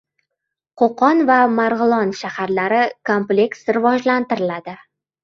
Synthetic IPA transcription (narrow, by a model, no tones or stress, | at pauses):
qʰoqɒnvamaɾʁɨlˠɒnʃahaɾlaɾɪkʰomple̞ksɾɪvɒd͡ʒlant̪ɪɾɪlad̪ɪ